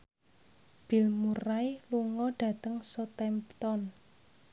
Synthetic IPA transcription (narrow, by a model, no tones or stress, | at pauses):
b̥i̤lmurailuŋɔɖ̥ä̤t̪əŋsɔt̪ɛmpt̪ɔn